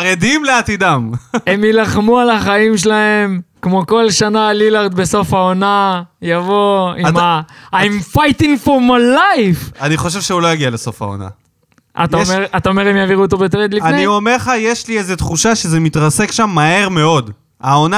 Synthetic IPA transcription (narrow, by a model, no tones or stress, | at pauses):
ʁed̪imleat̪id̪amemjilaχmualaχaimʃelae̞mkmo̞ko̞lʃanalilaʁd̪be̞so̞faonajavoimaaimfajtiŋfomajlajfaniχo̞ʃ̬e̞vʃeulo̞jaɡialeso̞fa̰o̰na̰ | ʔa̰t̪aomeat̪aome̞ʁemjaviʁuot̪̬obet̪̬ʁed̪lianeniomeʁχajeʃliezet̪χuʃaʃezemit̪ʁase̞kʃamːahe̞ʁme̞o̞d̪ | aona